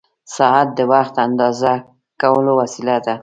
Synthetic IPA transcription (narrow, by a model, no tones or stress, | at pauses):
sɑɦat̪̚d̪əwaxt̪and̪ɑza | kawəlowasilad̪a